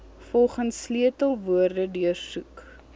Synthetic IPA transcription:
fɔlˠχənsːliətəlˠvuərdədyərsuk

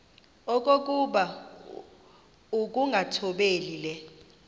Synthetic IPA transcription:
ɔk̬ʼok̬ʼuɓa | uk̬ʼuŋɡʱatʰɔɓeːlilɛ

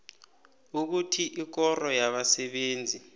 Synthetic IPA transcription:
uk̬utʰiʔik̬ɔrɔjaɓasɛɓeːnd͡zʱi

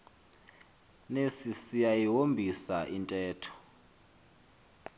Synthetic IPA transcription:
nesisijajiɦombʱisaʔintʼɛːtʰɔ̥

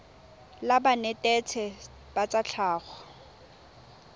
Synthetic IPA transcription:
labanɛtʼɛt͡sʰɛ | b̥at͡sʼat͡ɬʰaːɣɔ

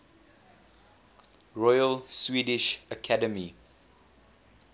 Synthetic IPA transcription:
ɹɔjəlswiːdɪʃəkʰadəmi

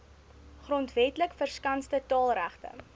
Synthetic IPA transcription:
χrɔntvɛtləkfərskɐnstətɑːlˠræχtə̰

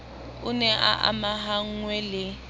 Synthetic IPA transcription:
ʊnɛʔa̰ʔa̰maɦaŋ̩ŋwɛlɪ

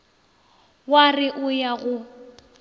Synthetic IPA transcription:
warɪʔʊjaɣʊ

